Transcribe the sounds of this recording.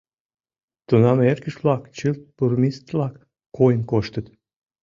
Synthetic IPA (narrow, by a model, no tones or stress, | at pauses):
t̪unɑmerkəʃβlɑkt͡ɕɨlt̪̚purmist̪lɑkː | kːojənkoʃt̪ət̪